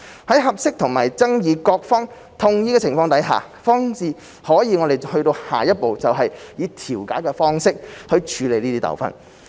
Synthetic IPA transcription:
hɐ˨˥jɦɐ˨p̚sɪ˥k̚t̪ʰʊ˨˩ŋmaː˨˩jt͡sɐ˥ŋjiː˨˧kɔː˧k̚fɔː˥ŋ | t̪ʰʊ˧ŋjiː˥kɛ˧t͡sʰɪ˨˩ŋfɔː˧ŋt̪ɐ˨˥jɦa̰ː˨ | fɔː˥ŋsiː˨˧ | hɔː˨˥jiː˨˧ŋɔ˨˧ɾe˨˩jhɵ˧ɥt̪o˧whaː˨jɐ˥t̚po˨wt͡sɐ˨wɦɐ˨jjiː˨˧t̪ʰiː˨˩wkaː˨˥jkɛː˧fɔː˥ŋsɪ˥k̚hɵ˧ɥt͡ʃʰyː˨˧le˨jniː˥t̪iː˥t̪ɐ̰˨˩wfɐ̰˨˩n

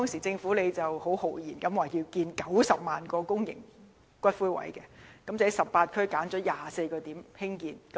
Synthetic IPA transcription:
t̪ɔː˥ŋsiː˨˩t͡sɪ˧ŋfuː˨˥le˨˧jt͡sɐ˨who˨˥who˨˩wjiː˨˩nkɐ˨˥mwaː˨˩ji˧wkiː˧nkɐ˨˥wsɐ˨p̚maː˨nkɔː˧kʊ˥ŋjɪ̰˨˩ŋ | kʷɐ˥t̚fuː˥wɐ̰˨˥jkɛː˧kɐ˨˧˥mt͡sːjsɐ˨p̚paː˧t̚kʰɵ˥ɥkaː˨˥nt͡ʃɔː˨˥jaː˨se˧jkɔː˧t̪iː˨˥mhɪ˥ŋkiː˧nkɐ˨˦

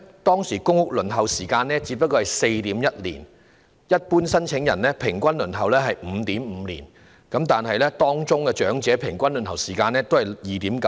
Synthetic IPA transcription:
t̪ɔː˥ŋsiː˨˩kʊ˥ŋhʊ˥k̚lɵ˨˩nɦɐ˨wsiː˨˩kaː˧nlɛː˥t͡si˨˧˥pːɐ˥k̚ːɔː˧hɐ˨˩jse˧jt̪iː˨˥mjɐ˥t̚lḭː˨˩n | jɐ˥t̚puː˥nsɐ˥nt͡ʃʰɪ˨˧˥ŋjɐ˨˩nlɛː˥pʰɪ˨˩ŋkʷɐ˥nlɵ˨˩nɦɐ˨wlɛː˥ɦɐ˨jm̩ː˨˧t̪iː˨˥m̩ː˨˧lḭː˨˩n | kɐ˨˥mt̪aː˨nɦɐ˨jlɛː˥t̪ɔː˥ŋt͡sʊ˥ŋkɛ˧t͡ʃœː˨˥ŋt͡sɛː˨˥pʰɪ˨˩ŋkʷɐ˥nlɵ˨˩nhɐ˨˩wsiː˨˩kaː˧nɛː˥t̪o˥hɐ˨jjiː˨˩t̪iː˨˥mkɐ˨˦

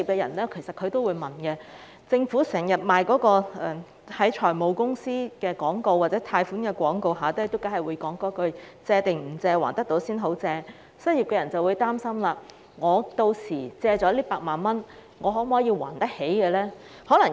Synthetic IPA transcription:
iː˨p̚kɛː˧jɐ̰˨˩nlɛː˥kʰe˨˩jsɐ˨t̚kʰɵ˨˧ɥt̪o˥wuː˨˧jmɐ˨˩nkɛ˧ | t͡sɪ˧ŋfuː˨˥sɛː˨˩ŋjɐ˨t̚maː˨jkɔː˨˥kɔː˧ʔɛː˨ | hɐ˨˥jt͡ʃʰɔː˨˩jmo˨˧wkʊ˥ŋsiː˥kɛː˧kʷɔː˨˥ŋko˨˧wːaː˨˩t͡sɛː˨˥t̪ʰaː˧jfuː˨˥nkɛː˧kʷɔː˨˥ŋko˨˧wɦaː˨˥t̪ːt̪o˥wkaː˨˥jhɐ˨jwuː˨˧jkɔː˨˥ŋkɔː˨˥kɵ˧ɥt͡sɛː˧t̪ɪ˨ŋm̩˨˩t͡sɛː˧waː˨˩nt̪ɐ˥t̪o˨˥wsiː˥nɦo˨˥wt͡sɛː˧ | sɐ˥n̚jiː˨p̚kɛː˧jɐ˨˩nt͡sɐ˨wuː˨˧jt̪aː˥msɐ˥mlaː˧ | ŋɔː˨˧t̪o˧wsiː˨˩t͡sɛː˧t͡ʃɔ˨˥liː˥paː˧k̚maː˨nmɐ˥n | ŋɔː˨˧ɦo˨˥m˨ɔː˨˥jiː˧wa̰ː˨˩nt̪ɐ˥he˨˥jkɛ˧lɛː˥ | hɔː˨˥lɐ˨˩ŋ

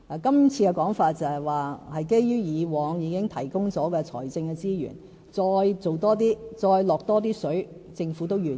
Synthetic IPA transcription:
a˨kɐ˥mt͡sʰiː˧kɛ˧kɔː˨˥ŋfaː˧t̚t͡sɐ˨˩hɐ˨˩jwaː˨˩hɐ˨jke˥jjyː˥jiː˨˧wɔː˨˧ŋjiː˨˧kɪ˥ŋt̪ʰɐ˨˩jkʊ˥ŋt͡sɔː˨˥kɛː˧t͡sʰɔ̰ː˨˩jt͡sɪ˧ŋkɛ˧t͡siː˥jy̰ː˨˩n | t͡sɔː˧jt͡so˨wt̪ɔː˥t̪iː˥t͡sɔː˧jlɔː˨k̚t̪ɔː˥t̪̬iː˥sɵ˨˥ɥt͡sɪ˧ŋfuː˨˥t̪o˥wjyː˨˩

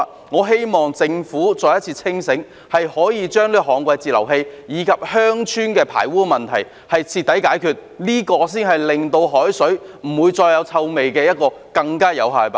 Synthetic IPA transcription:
ŋɔː˨˧ɦe˥jmɔː˨ŋt͡sɪ˧ŋfuː˨˥t͡sɔː˧jɐ˥t̚t͡sʰiː˧t͡sʰɪ˥ŋsɪ˨˥ŋ | hɐ˨jhɔː˨˥jiː˨˧t͡ʃœː˥ŋliː˥kɔ˧hɔː˨˥ŋkʷɐ˧jt͡siː˨˩lɐ̰˨˩wɦe˧jjiː˨˧kʰɐ˨p̚hœː˥ŋt͡ʃʰyː˥nkɛː˧pʰa̰ː˨˩jwuː˥˧mɐ˨nt̪ʰɐ˨˩j | hɐ˨jt͡sʰiː˧t̪ːɐ˨˥jkaː˨˥jkʰyː˨˧t̚liː˥kɔː˧s̬iː˥nɦɐ˨jlɪ˨ŋt̪o˧wɦɔː˨˥jsɵ˨˥ɥm̩˨˩wuː˨˧jt͡ʃɔː˧jɐ˨˧wt͡sʰɐ˧wme˨jkɛː˧jɐ˥t̚kɔː˧ | kɐ˧ŋkaː˥jɐ̰˨˧wɦaː˨˩jpa˧˥

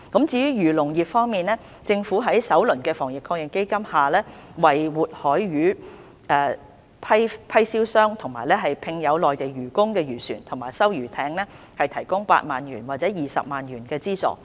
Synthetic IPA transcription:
kɐ˨˥mt͡siː˧jyː˨˥jyː˨˩lʊ˨˩ŋjiː˨p̚fɔː˥ŋmiː˨nlɛː˥ | t͡sɪ˧ŋfuː˨˥ɦɐ˨˥jsɐ˨˥wlɵ˨˩nkɛː˧fɔː˨˩ŋjɪ˨˩kʰːɔː˧kjɪ˨ŋke˥jkɐ˥mhaː˨lɛː˥wɐ˨jwuː˨t̚hɔː˨˥jɥyː˨˥ | ɛː˨˧ | pʰɐ˥jpʰɐ˥jsiː˥wsœː˥ŋt̪ʰʊ˨˩ŋmaː˨jlɛː˥ɦɐ˨jpʰɪ˧ŋjɐ˨˧wlɔː˨jt̪e˨jɥyː˨˩kʊ˥ŋkɛː˧jyː˨˩sy̰ː˨˩nt̪ʰʊ˨˩ŋmaː˨˩jsɐ˥wjyː˨˩t̪ʰɛː˨˥ŋnɛː˥ | hɐ˨jt̪ʰɐ˨˩jkʊ˥ŋpa̰ː˧t̚maː˨nɥyː˨˩nwaː˨t̚t͡sɛː˨˥jiː˨sɐ̰˨p̚maː˨nɥyː˨˩nkɛː˧t͡siː˥t͡sɔ̰ː˨˩

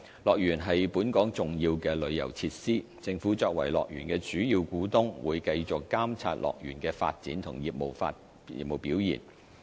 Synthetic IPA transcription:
lɔː˨k̚jyː˨˩nɦɐ˨jpuː˨˥nkɔː˨˥ŋt͡sʊ˨ŋjiː˧wkɛː˧lɵ˨˧ɥjɐ̰˨˩wt͡sʰiː˧t̚siː˥ | t͡sɪ˧ŋfuː˨˥t͡sɔː˧k̚wɐ̰˨˩jlɔ̰ː˨k̚jy̰ː˨˩nkɛː˧t͡ʃyː˨˥jiː˧wkuː˨˥t̪ʊ˥ŋwuː˨˧jkɐ˧jt͡sʊ˨kːaː˥mt͡sʰa̰ː˧t̚lʔɔ̰ː˨k̚jy̰ː˨˩nkɛː˧fa̰ː˧t̚t͡sḭː˨˥nt̪ʰʊ˨˩ŋjiː˨p̚mo˨wfa̰ː˧t | ḭː˨p̚mo˨wpiː˨˥wjḭː˨˩n

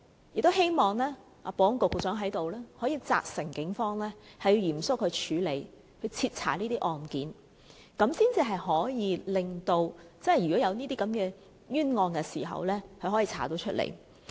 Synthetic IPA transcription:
jɪ˨k̚t̪o˥he˥jmɔː˨˩ŋlɛː˥ | aː˨˧pɔː˨˧˥ŋkʊ˨k̚ːt͡sœː˨˥ŋɦɐ˨˥jt̪o˨wlɛː˥hɔː˨˥jiː˧t͡sa̰ː˧k̚sɪ˨˩ŋkɪ˨˥ŋfɔː˧˥ŋlɛː˥hɐ˨ji˧wjiː˨˩msʊ˥k̚hʰɵ˨˧ɥt͡ʃʰyː˨˧le˨˧˩j | kʰɵ˨˧ɥt͡sʰiː˧t̚t͡sʰa̰ː˨˩niː˥t̪iː˥ʔɔː˨nkiː˨˥n | kɐ˨˥msiː˥nt͡siː˨˧ɦɐ˨jɦɔː˨˥jiː˨˧lɪ˨ŋt̪o˧wt͡sɐ˥nhɐ˨˩jɥyː˨˩kɔ˨˥jɐ˨˧wniː˥t̪iː˥kɐ˨˥mkɛː˧ | jyː˥nŋɔː˧nkɛ˧siː˨˩ɦɐ̰˨wlɛː˥kʰɵ˧ɦɔː˨˥jiː˧t͡sʰa̰ː˨˩t̪o˨˥wt͡ʃʰɵ˥t̚lḛ˨˩j

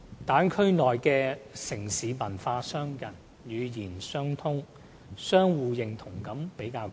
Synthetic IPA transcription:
t̪aː˨˥nkʰɵ˥ɥnɔː˨jkɛː˧sɪ˨˩ŋsiː˨˧mɐ˨˩nfaː˧sœː˥ŋjɐ˨˩n | jyː˨˧jiː˨˩nsœː˥ŋt̪ʰʊ˥ŋ | sœː˥ŋwuː˨˧jɪ˨˧ŋt̪ʰʊ˨˩ŋkɐ˨˥mpe˨˥jkaː˧w

